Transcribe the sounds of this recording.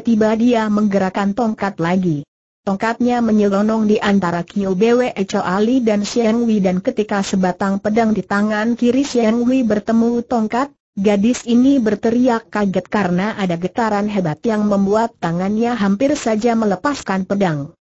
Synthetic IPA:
t̪ibadiaməŋɡəɾakant̪ɔŋkat̪̚laɡi | t̪ɔŋkat̪̚ɲaməɲəlɔnɔŋdiʔant̪aɾakiubeweʔət͡ʃoʔalidansɛŋwidankət̪ikasəbat̪aŋpədaŋdit̪aŋankiɾisjɛɛŋwibərt̪əmut̪ɔŋkat̪̚ | ɡadɪsinibərt̪əɾiakːaɡət̪̚kaɾənaʔadaɡət̪aɾanɦebat̪jaŋməmbuat̪ːaŋanɲaɦampɪrsad͡ʒamələpaskanpədaŋ

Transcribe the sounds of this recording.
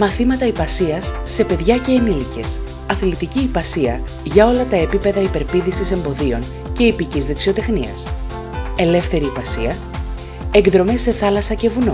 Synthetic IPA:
mɐθimɐt̪ɐipɐsiɐsːe̞pe̞ðʝɐce̞ːnilice̞s | ɐθlit̪iciːpɐsiɐ | ʝɐo̞lɐt̪ɐe̞pipe̞ðɐipe̞ɾpiðisise̞mbo̞ðio̞ŋ | ce̞ipicizðeksio̞t̪e̞xniɐ̰s | e̞le̞fθe̞ɾiːpɐsiɐ | eŋɡðɾo̞me̞sːe̞θɐlɐsɐce̞vuno

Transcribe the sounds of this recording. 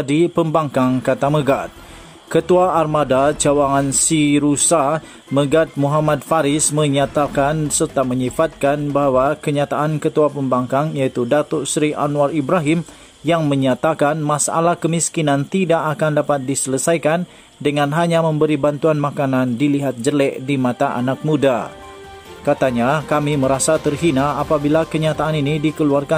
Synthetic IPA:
dipəmbaŋkaŋkat̪aməɡat̪̚ | kət̪uaʔːrmadat͡ʃawaŋansiɾusa | məɡat̪̚muɦamat̪̚faɾɪsməɲat̪akansərt̪aməɲifat̪̚kanbaɦawakəɲat̪aʔankət̪uapəmbaŋkaŋjait̪udat̪ɔʔsɾiʔa̰nuaribɾaɦim | jaŋməɲat̪akanmasa̰lahkəmiskinant̪idaʔakandapat̪̚disələsajkan | dəŋanɦaɲaməmbəɾibant̪uanmakanandiliɦat̪̚d͡ʒəlɛʔdimat̪aʔa̰nak̚muda | kat̪aɲakamiməɾasat̪ərɦinaːpabilakəɲat̪aːninidikəluarka

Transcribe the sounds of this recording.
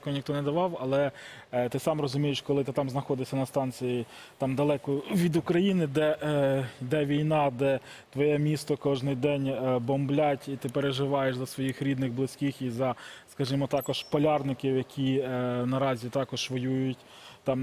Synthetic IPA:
kɔnʲixt̪ɔnɛd̪ɐʋɑwɐlˠɛt̪ɪsɑmrɔzʊmʲijɪʃkɔlˠɪt̪ɪt̪ɑmznɐxɔd̪ɪsʲɐnɐst̪ɑnt͡sʲiji | t̪ɑmd̪ɐlˠɛkʊʋʲid̪ʊkɾɐjinɪd̪ɛ | d̪ɛʋʲijnɑd̪ɛ | t̪ʋɔjɛmʲist̪ɔkɔʒnɪjd̪ɛnʲbɔmblʲatʲit̪ɪpeɾeʒɪʋɑjeʃzɐsʋɔjixɾʲid̪nɪɣblˠɪsʲkʲixizɐskɐʒimɔt̪ɑkɔʃpɔlʲɑrnɪkɪwjɐkʲʰinɐɾɑzʲit̪ɑkɔʒʋɔjujʊtʲ | t̪ɑm

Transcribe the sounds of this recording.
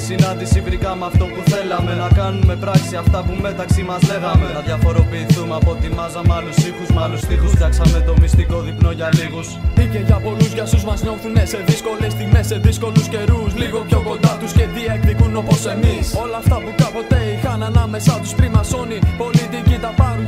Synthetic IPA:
isinɐnd̪isivɾikɐmɐft̪o̞puθe̞lɐmenɐkɐnume̞pɾɐksiɐft̪ɐpume̞t̪ɐksimɐzle̞ɣɐmenɐðʝɐfo̞ɾo̞piːθumeɐpo̞t̪imɐzɐmɐlust̪ixuzmɐlust̪ixusfçɐksɐme̞t̪o̞mist̪iko̞ðipno̞ʝɐliɣusice̞ʝɐpo̞luzʝɐsuzmɐzɲo̞θunese̞ðisko̞le̞st̪iɣme̞se̞ðisko̞lusce̞ɾusliɣopço̞ko̞nd̪ɐt̪usce̞ðiekθikuno̞posemiso̞lɐːft̪ɐpukɐpo̞t̪e̞ixɐnɐnɐme̞sɐt̪ust̪ɾimɐso̞nio̞lit̪icit̪ɐpɐnun

